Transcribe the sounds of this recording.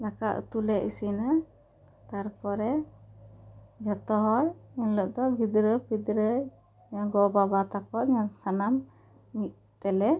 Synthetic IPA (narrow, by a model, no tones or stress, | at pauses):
lakaʔt̪ulɛʔisina | t̪aɾpɔɾɛ | d͡ʒɔt̪ɔɦɔɾinlɔʔd̪ɔbʱid̪ɾəbid̪ɾə | ɲaɡɔbabat̪akɔʔɲasanamː | iʔ̚ | t̪ɛlɛ